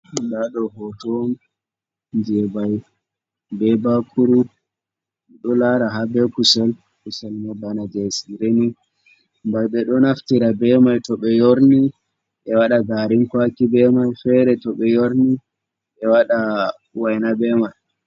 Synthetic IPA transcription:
daɗɔɦɔtɔn | nd͡ʒɛbaj | bɛbakʰuɾu | ɗɔlaɾaɦabɛkusɛl | kusɛlmɛbanad͡ʒɛsiɾeni | mbajɓɛɗɔnaftiɾabɛmajtɔɓɛjoɾni | ʔɛwaɗaɡaɾinkwakibɛmajfɛɾɛtɔɓɛjoɾni | ʔɛwaɗa | wajnabɛmaj

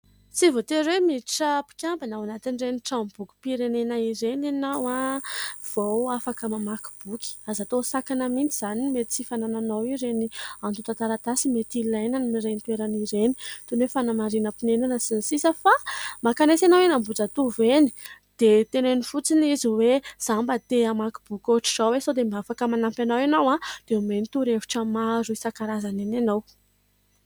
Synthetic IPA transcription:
t͡sivot̪eɾwemiʈ͡ʂapi̥kʲambanawanat̪inreniʈ͡ʂambuku̥piɾenenaiɾenanawa | v̥owafakəmamaku̥b̥ukʲi̥azat̪osakanamint͡sizanimet̪t͡sifanananawiɾeniant̪ut̪at̪aɾat̪asimet̪ilajnanimiɾent̪uweɾaniɾeni̥t̪unwefanamaɾinəpinenanəsinisisəfamakanesanawenambud͡zat̪uveni̥d̪̥et̪enenifut͡siniziwez̥ambət̪eamaki̥b̥ukoʈ͡ʂiz̥awesod̪embafakəmanampjanawanawad̪̥eumenit̪uɾevi̥ʈ͡ʂəmaɾuisakaɾazanenanaw

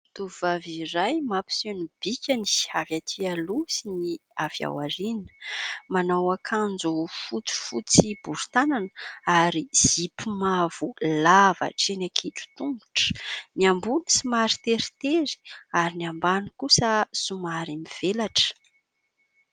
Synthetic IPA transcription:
t̪uvaviɾajmapi̥senib̥ikʲani̥havjat̪ʰialusiniava̰waɾinə̥manawakʰand͡zufut͡su̥fut͡sib̥uɾu̥t̪ananəaɾiz̥ipimav̥ulava̰ʈ͡ʂenakʰiʈ͡ʂu̥t̪umbu̥ʈ͡ʂə̥niambunisimaɾit̪eɾit̪eɾi̥aɾiniambanikusəsumaɾimiv̥elaʈ͡ʂə̥

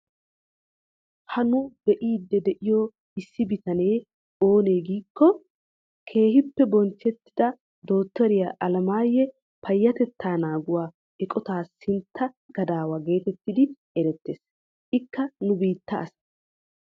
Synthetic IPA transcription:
hɐnʊd̪ɛʔiːd̪ːɛd̪ɛʔɪjo | ɪsːɪbɪt̪ɐne̞ː | oːne̞ːɡiːkːɔ | kʰe̞ːhɪpːɛbɔnt͡ʃːɛt̪ːɪ̥d̪ɐ | d̪o̞ːt̪ːɔɾɪjɐʔɐlɐmaːjːɛ | pʰɐjːɐt̪ɛt̪ʰːaːnaːɡʊwaː | ɛkʼɔt̪aːsɪnt̪ːɐ | ɡ̥ɐd̪aːwɐɡe̞ːt̪ɛt̪ːɪd̪ɪ | ɛɾɛt̪ːe̞ːs | ʔɪkːɐnʊbiːt̪ːɐɐs

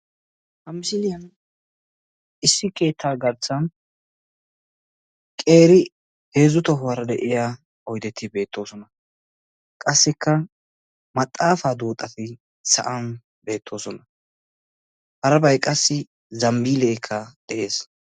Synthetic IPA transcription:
ɐmsɪl | ʔɪsːɪke̞ːt̪ʰːaːɡɐɾt͡sːɐn | kʼe̞ːɾɪ | he̞ːzʊt̪ɔɦʊwɐɾɐd̪ɛʔɪja | ɔjd̪ɛt̪ːɪbe̞ːt̪ʰːo̞ːsɔnɐ | kʼɐsːɪkʰːɐ | mɐt̪ʼːaːfaːd̪uːt̪ʼːɐt̪ɪ | sɐ̰ʔɐn | be̞ːt̪ʰːo̞ːsɔnɐ | hɐɾɐbɐjkʼɐsːɪ | zɐmbiːleːkʰːɐd̪̥ɛʔe̞ːs

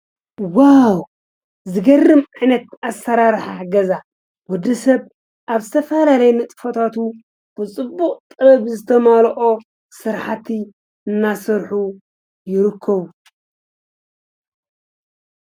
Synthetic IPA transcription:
waw | zɨɡɐrːɨmajnɐt̪asːɐɾaɾħaɡɐza | wɔd̪ːɐsɐβ | ʔaβzɨt̪ʰɐfɐlalɐjnɐt̪ʼɨfot̪ʰat̪u | b̥ɨt͡sʼɨbːuqʼt̪ʼɐɐβzɨt̪ʰɐmalʔo̞ | sɨɾħat̪ʰi | ɨnːasɨɾħu | jɪɾɨkʰːɐβu

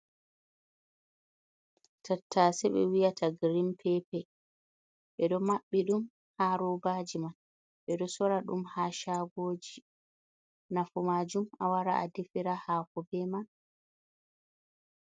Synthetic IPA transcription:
tʰatʰːasɛɓɛ̰wijatʰaɡɾimpʰɛpɛ | ɓɛɗɔmaɓːiɗum | haːɾɔbaːd͡ʒiman | ɓɛɗɔsɔɾaɗṵmhaːʃaɡoːd͡ʒi | nafumaːd͡ʒumawaɾaʔadifiɾahaːkɔbɛman

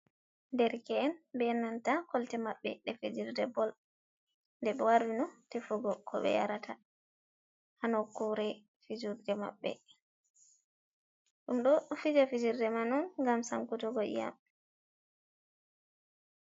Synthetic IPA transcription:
ndɛɾkɛɛnbɛɛnːantakɔltɛmaɓːɛ̰ɗɛfid͡ʒiɾdɛbɔl | ndɛɓɛwaɾwinɔtefuɡɔkʰɔɓɛ̰ja̰ɾata | hanɔkuɾɛ | fid͡ʒuɾdɛma̰ɓːɛ̰ | ɗumɗɔfid͡ʒafid͡ʒiɾdɛmanunŋɡamsaŋkutɔɡɔʔḭja̰m

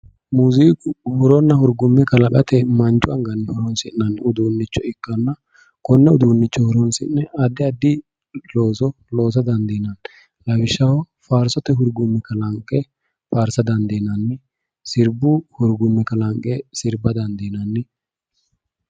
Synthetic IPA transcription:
muːzikʊhʊɾɔnːɐhʊɾɡʊmːɛkɐlɐɓʼɐt̪ɛmɐnt͡ʃʼʊɐŋɡɐnːɪhʊɾɔnsɪnnɐnːʊd̪uːnːɪt͡ʃːɔɪkːɐnːɐ | kɔnːɛʊd̪uːnːɪt͡ʃːɔhʊɾɔnsɪ̰nːɛʔɐd̪ɪɐd̪ɪ | loːsɔ | lo̞ːs̬ɐd̪ɐnd̪eːnɐn | lɐbɪʃːɐwɔ | faːɾsɔt̪ɛɦʊɾɡʊmːɛkɐlɐŋkʼːɛ | faːɾsɐd̪ɐnd̪eːnɐnːɪ | sɪɾbʊhʊɾɡʊmːɛkɐlɐŋkʼːɛsɪɾbɐd̪ɐnd̪eːnɐnːɪ

